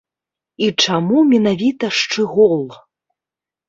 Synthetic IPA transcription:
it͡ʂamumʲɛnavʲit̪ɐʂt͡ʂɨɣɔlˠ

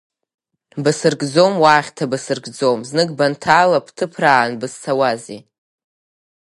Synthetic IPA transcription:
bɨsɨrɡd͡zomwaːχʲtʰabɨsɨrɡd͡zomznɨɡbantʰaːlapʰtʰɨpʰraːnbɨst͡sʰawaze

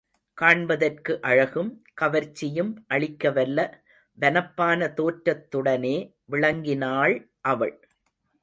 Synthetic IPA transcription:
kaːɳbɐðɐrkɯʔɐɻɐɣɯmkɐʋɐɾt͡ʃːɪjɯmʔɐɭɪkːɐʋɐlːɐ | ʋɐnɐpːaːnɐt̪oːʈɾɐt̪ːɯɽɐneː | ʋɪɭɐŋɡɪnaːɭ | ʔɐʋɐɭ

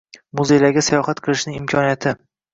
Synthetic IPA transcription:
mʊzejlaɾɡʲasajɒχat̪qʰɨlˠɪʃnɪŋɪmkʰʲɒnijat̪ʰɪ

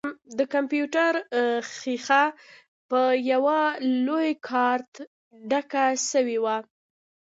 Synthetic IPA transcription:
d̪əkampjuʈaɾxixa | pəjawalojkʰɑɾt̪ | ɖakaʃəwiwa

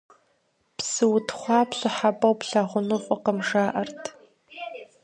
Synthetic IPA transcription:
psɨwʊtʰχʷɑːpɕʷʼɪħapʼɐwpɬaʁʷʊnɨfʷʼʊqəmʐaːʔɐrtʰ

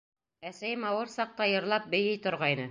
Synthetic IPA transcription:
æsæjɘmɑwɤɾsɑq̚t̪ɑjɤ̆ɾlˠɑp̚bɘ̆jɘjt̪ŏɾʁɑjnɤ

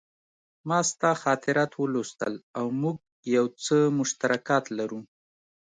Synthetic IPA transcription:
mɑst̪ɑxɑt̪ɪɾɑt̪wəlost̪ə̰lawmuɡ̚ | jawt͡səmʊʃt̪aɾakɑt̪laɾu

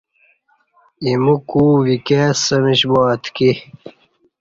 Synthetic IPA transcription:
imukuːvikeːsəmiɕboɐt̪ki

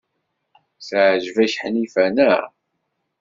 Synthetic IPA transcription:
sʕʒvæʃħnifænæ

